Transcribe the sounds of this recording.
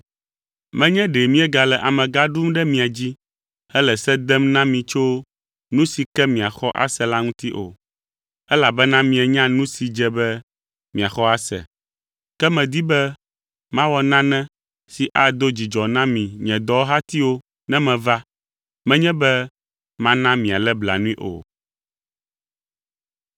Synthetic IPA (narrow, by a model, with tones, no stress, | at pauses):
mɛ̃˦ɲɛ̃˦ɖe˨mĩ˦ɛ˦ɡa˨lɛ˨ʔa˨mɛ̃˨ɡa˦ɖu˦mɖɛ˦mĩ˨a˨d͡ʑi˦ | ɛ˦lɛ˨sɛ˦d̪ɛ˦mnã˦mĩ˨t͡ʃo˦ | nũ˦si˨kɛ˦mĩ˨a˨xɔ˦ʔa̰˦sɛ˨la˦ŋũ˦t̪i˦ʔo̰˨ | ɛ˦la˨bɛ˦nã˦mĩ˨ɛ˨ɲã˦nũ˦si˨d͡ʒɛ˦bɛ˦ | mĩ˨a˨xɔ˦a˦sɛ̰˨ | kɛ˦mɛ̃˨d̪i˦bɛ˦ | mã˦wɔ˨nã˦nɛ̃˦ | si˨ʔa˨d̪o˦d͡ʑi˨d͡ʒɔ˨nã˦mĩ˨ɲɛ̃˨d̪ɔ˦wo˦ɦa˦t̪i˦wo˦ | nɛ̃˦mɛ̃˨va˦ | mɛ̃˦ɲɛ̃˦bɛ˦ | mã˦nã˦mĩ˨a˨lɛ˦bla̰˨nũ˦ĩ˦ʔo̰˨